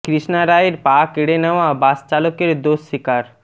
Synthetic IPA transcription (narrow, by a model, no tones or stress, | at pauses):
kɾiʃnaɾaeɾpakeɽenaʋabast͡ʃalokeɾd̪osːikaɾ